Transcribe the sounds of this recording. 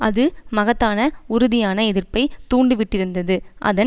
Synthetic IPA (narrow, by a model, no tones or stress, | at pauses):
ɐðɯmɐɣɐt̪ːaːnɐʊɾʊðɪjaːnɐɛðɪrpɐɪt̪uːɳɖɯʋɪʈːɪɾɯnd̪ɐðɯʔɐ̰ðɐ